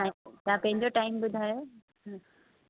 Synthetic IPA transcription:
aɦt̪ãpɐ̃ɦɪ̃ɲd͡ʑoʈaːɪmbʊd̪ʱaːjo | ɦ

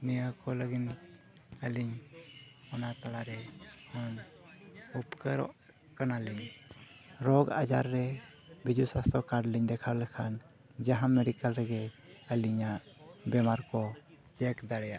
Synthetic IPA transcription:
nijakɔləɡin | aliɲ | ɔnat̪alaɾɛhɔn | upkəɾɔ̰ʔ | kanaliɲ | ɾɔɡa̰d͡ʒa̰ɾːɛ | bid͡ʒusast̪ɾɔkaɖliɲd̪ɛkʰawlɛkʰan | d͡ʒaɦamɛɾikalɾɛɡɛ | əliɲaʔ | bɛmaɾkɔ | d͡ʒɛkd̪aɽɛjaʔ

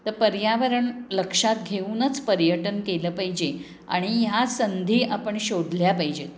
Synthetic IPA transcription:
t̪əpəɾjaʋəɾəɳləkʂat̪̚ɡʱeuːnət͡spəɾjəʈənkeləːpaɦid͡ʑe | a̰ɽ̃ijasənd̪ʱiːʔapəɳɕoɽljapajid͡ʑe

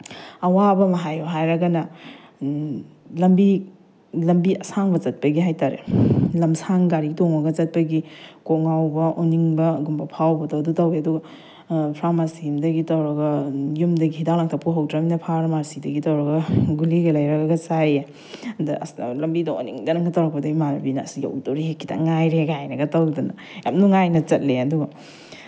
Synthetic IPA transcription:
ɐwabɐmɐɦajuɦajɾɐɡɐnɐ | lɐmbi | lɐmbiʔɐsaŋbɐt͡ʃɐt̚pɐɡiɦajtaɾḛlɐmsaŋɡaɾiɡitoŋɐɡɐt͡ʃɐt̚pɐɡikoŋawbɐʔoniŋbɐɡumbɐpʰawbɐtowdutɐweɐduɡɐ | pʰɾamasiimdɐɡitɐwɾɐɡɐjumdɐɡihidaŋlaŋtʰapʰːuɦawtʰɾaminɐpʰaɾmaɾsidɐɡitɐwɾɐɡɐɡuliɡɐlɐjɾɐɡɡɐt͡ʃaj | ndɐʔslɐmbidɐo̰niŋdɐnɐŋɡɐtawɾɐk̚pɐdɐɡimaɾbinɐsiɡia̰wtoɾiekːita̰ŋajɾeɡajnɐɡɐtawdɐnɐ̰ | ja̰mnuŋajnɐt͡ʃɐt̚leɐduɡɐ

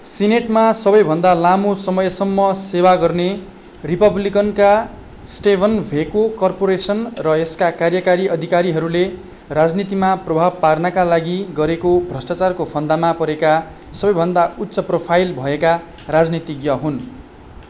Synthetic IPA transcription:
sineʈmasʌbʌjbʱʌnd̪alamosʌmʌjsʌmːʌsewaɡʌrne | ripʌblikʌnka | sʈebʱʌnbʱekokʌrpoɾesʌnrʌeskakarjʌkaɾiʔʌd̪ʱikaɾiɦʌɾule | rad͡znit̪imaprʌbʱab̚parnakalaɡiɡʌɾekobʱrʌsʈat͡sarkopʰʌnd̪amapʌɾeka | sʌbʌjbʱʌnd̪aut̪ːsʌpropʰajlbʱʌeka | rad͡znit̪iɡjʌɦun

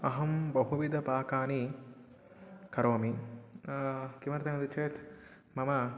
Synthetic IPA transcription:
ɐɦɐmbɐɦuʋid̪ɐpaːkaːni | kɐɾoːmi | kimɐɾt̪ɐŋɐd̪ɐt͡ʃeːt̪ | mɐmɐ

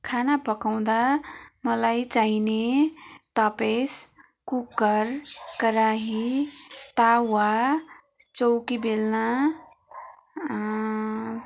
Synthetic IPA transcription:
kʰanapəkaw̃d̪aməlajt͡ʃaɦinet̪apes | kukːəɾkəɾaɦi | t̪awa | t͡ʃowkibelna

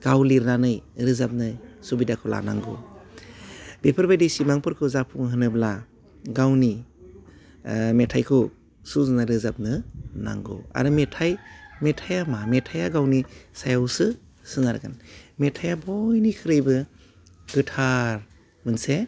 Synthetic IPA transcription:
ɡ̥awliɾnanɯjɾɯzap̚nɯsubidakʰɔla̰na̰ŋɡṵ | bepʰɯɾbajdisimaŋpɯɾkʰɯzapʰuŋɦɯnɯbla | ɡawni | metʰajkʰɯ | suznaɾɯzap̚nɯna̰ŋɡṵa̰ɾɯmetʰajmetʰajamametʰajaɡawnisajawsɯ | sɯnaɾɡanmetʰajabɔjnikʰɯɾɯjbɯ | ɡɯtʰaɾ | mɯnse

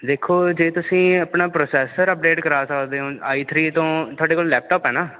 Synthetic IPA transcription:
d̪eːkʰːoːd͡ʒeːt̪ʊsĩːəpnaːpɾoːsɛːsəɾəp̚ɖeːʈkəɾaːsəkʰd̪eːɦõːaːiːt̪ʰɾiːt̪õːt̪ʰʊaːɖeːkoːllɛːp̚ʈɔːpɦɛːnaː

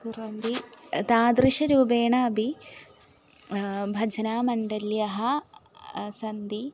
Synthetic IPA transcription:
t̪uɾɐnd̪it̪aːd̪ɾiʃɐɾubeːɳaːbʱi | bʱɐd͡ʒɐnaːmɐɳɖɐljɐɦɐ | sɐnd̪i

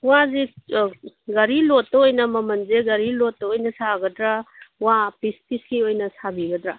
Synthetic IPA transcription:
wazi | ɡɐɾilotːɐojnɐmɐmɐnzeɡɐɾilotːɐojnɐsaɡɐdɾawapispiskiojnɐsabiɡɐdɾa

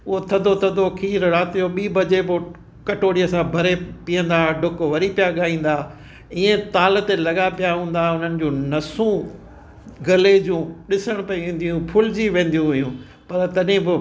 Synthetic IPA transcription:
ʊɦot̪ʰɐd̪ʱot̪ʰɐd̪ʱokʰiːɾɾaːt̪ijoɓiːbɐd͡ʑebɪ | kɐʈoːɽijəsãbʱɐɾepiːə̃nd̪aɖʱʊkʋɐɾipijaɠaːĩːn̆d̪aː | iːẽt̪aːl̆t̪elɐɠapijaɦũːn̆d̪aʊn̤ənɪ̆d͡ʑũːnɐsũ | ɡɐled͡ʑũːɗɪsəɽ̃pɐiʋĩːnd̪ijũpʰʊld͡ʑiʋẽːn̆d̪ijũɦʊjũː | pɐɾt̪ɐɗɪ̃bɪ

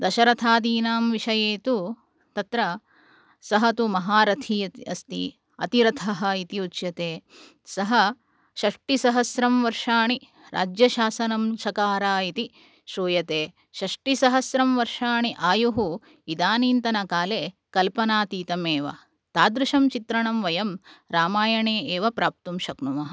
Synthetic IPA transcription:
d̪ɐʃɐɾɐt̪ʰaːd̪iːnaːmʋiʂɐjeːt̪u | t̪ɐt̪ɾɐ | sɐɦɐt̪umɐɦaːɾɐt̪ʰiɐiɐst̪ḭ | ɐ̰t̪iɾɐt̪ʰɐɦɐit̪iut͡ʃjɐt̪eː | sɐɦɐ | ʃɐʂʈisɐɦɐsɾɐmʋɐɾʂaːɳi | ɾʔa̰ːd͡ʒjɐʃaːsɐnɐmʃɐkaːɾaːit̪i | ʃɾuːjɐt̪eː | ʃɐʂʈisɐɦɐsɾɐmʋɐɾʂaːɳiʔaːjuɦu | id̪aːniːnt̪ɐnɐkaːleː | kɐlpɐnaːt̪iːt̪ɐmeːʋɐ̰ | t̪aːd̪ɾuʃɐmt͡ʃit̪ɾɐɳɐmʋɐjɐmɾaːmaːjɐɳeːeːʋɐpɾaːp̚t̪umʃɐknumɐɦɐ

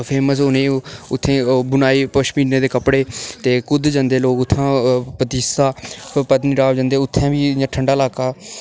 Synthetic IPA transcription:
pʰeːməsʊnẽːʊt̪ʰːẽːbʊnaːiːpəʃpiːɖneːd̪eːkəpɽeːt̪eːkʊd̪d͡ʒə̃nd̪eːloːkʊt̪ʰːãːpət̪iːsaːpət̪niːɾaːʋd͡ʒə̃nd̪eːʊt̪ʰːɛ̃ːbiːãʈʰəɳɖaːlaːkaː

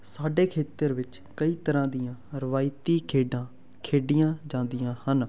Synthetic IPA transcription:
saːɖeːkʰeːt̪əɾʋɪt͡ʃ | kəiːt̪əɾãːd̪ɪjãːɾəʋaːɪt̪iːkʰeːɖãː | kʰeːɖɪjãːd͡ʒãːnd̪ɪjãːhən

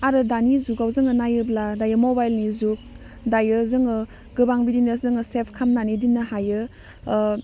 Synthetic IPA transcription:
aɾɯdanizuɡawzɯŋɯnajɯbladajɯmobajlnizuk̚ | dajɯzɯŋɯ | ɡɯbaŋbidinɯzɯŋɯsepʰkʰamnanidinːɯhajɯ

